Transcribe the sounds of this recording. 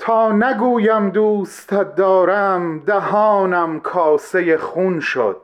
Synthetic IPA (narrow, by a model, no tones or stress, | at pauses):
t̪ʰɒːnæɡuːjæmd̪uːst̪ʰæd̪ːɒːɾæmd̪æhɒːnæmkʰɒːsejeχunʃo̰d̪̥̚